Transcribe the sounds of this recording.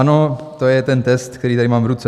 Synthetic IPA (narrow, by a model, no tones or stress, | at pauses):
ano | t̪ojɛt̪ɛnt̪ɛst̪̚kt̪ɛɾiːt̪adɾɪmaːmvɾut͡sɛ